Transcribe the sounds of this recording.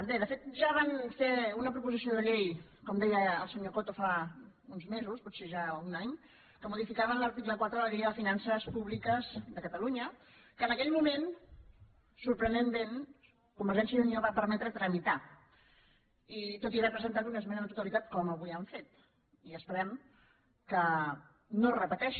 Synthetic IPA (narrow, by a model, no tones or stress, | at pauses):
deðəfet̪̚ʒaβanfeunəpɾupuzisioðəʎejkɔmd̪ɛjəəlˠsəɲokot̪ofa | unzmezusput̪seʒaunaɲ | kəmuðifikaβənləɾt̪ikləkwat̪ɾəðələʎejəðəfinansəspuβlikəzðəkət̪əluɲə | kəːnəkɛʎmumen | suɾpɾənenmen | kumbəɾʒɛns̬jəunioβapəɾmɛt̪ɾət̪ɾəmit̪a | it̪ot̪iβəpɾəzənt̪at̪unəzmɛnəðət̪ut̪əlit̪at̪̚kɔməβ̞ujaɱfet̪ | iəspəɾɛm | kə | norəpət̪ɛʃ